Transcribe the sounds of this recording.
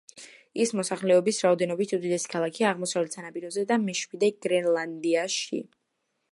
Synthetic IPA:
ismɔsaχlɛɔbisɾaɔd̪ɛnɔbit̪ʰud̪id̪ɛsi̥kʰalˠakʰiaʁmɔsavlɛt̪sanapʼiɾɔzɛd̪amɛʃmid̪ɛɡ̥ɾɛnlˠand̪iaʃḭ

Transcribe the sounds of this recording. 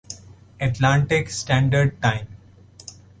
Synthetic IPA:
ɛʈlãːɳʈɪksʈæ̃ːɳɖəɾɖ̚ʈãɪ̃m

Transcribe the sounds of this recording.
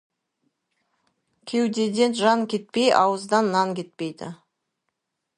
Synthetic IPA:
kʲʰe̞wd̪e̞d̪e̞nʒɑŋkʲʰe̞t̪̚pejɑwəzd̪ɑnːɑŋkʲe̞t̪̚pejd̪ɪ̰

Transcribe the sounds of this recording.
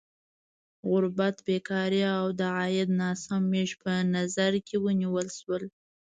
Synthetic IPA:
ɣʊɾbat̪bekɑɾiawd̪əʕɑjɪd̪nɑsamːeʒpənazaɾkʰewəniwəlʃwəl

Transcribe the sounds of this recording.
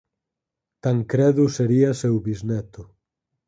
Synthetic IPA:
t̪aŋkɾɛðuseɾiasewβiznɛt̪ʊ

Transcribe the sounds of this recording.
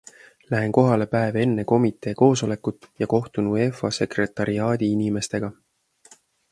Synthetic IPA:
læɦe̞nko̞ɦɑle̞pæeve̞nːeko̞mit̪ˑe̞ːko̞ːso̞le̞kːut̪ːˑjɑko̞ht̪unue̞fɑse̞kre̞t̪ːˑɑɾiɑːd̪̥iinime̞st̪e̞ɡ̥ɑ

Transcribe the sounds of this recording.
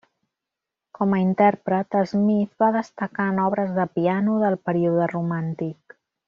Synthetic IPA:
kɔməint̪ɛrpɾət̪əzmiθβaðəst̪əkaənɔβ̞ɾəzðəpianuðəlˠpəɾiuðərumant̪ik

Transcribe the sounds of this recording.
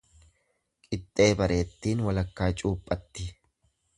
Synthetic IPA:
kʼɪt̪ʼːe̞ːbɐɾe̞ːt̪ːiːnwɐlɐkːaːt͡ʃʼuːpʼːɐt̪ːɪ

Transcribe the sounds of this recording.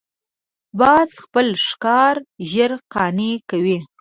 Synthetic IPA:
bɑzxpəlʂkɑɾʒəɾqɑnekawi

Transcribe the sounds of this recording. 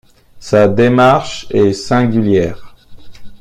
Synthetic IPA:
sad̪emaʁʃɛsɛ̃ɡʲyljɛːʁ

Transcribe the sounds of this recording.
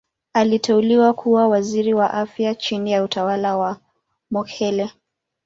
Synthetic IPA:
alitɛuliwakʰuwawaziɾiwaʔafjat͡ʃinijautawalawa | mɔkʰɛlɛ

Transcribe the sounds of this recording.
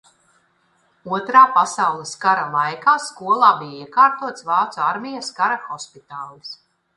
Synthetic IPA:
uɔt̪ɾaːpasawlˠiskaɾalˠajkaːskuɔlˠaːbijaiɛkaːɾt̪uɔt̪svaːt̪sɔaɾmʲijaskaɾaxɔspit̪aːlˠis

